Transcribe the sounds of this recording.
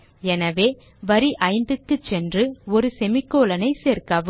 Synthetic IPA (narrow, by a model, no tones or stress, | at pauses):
ɛnɐʋeː | ʋɐɾiʔɐɪnd̪ɯkːɯt͡ʃːɛndrɯɔɾɯsɛmɪkːoːlɐnɐɪseːɾkaːʋɯ